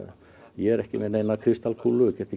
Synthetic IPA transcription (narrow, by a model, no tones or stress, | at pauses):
jɛːɾɛhkɪmenːenːakʰɾist̪alkʰulːukɛt̪i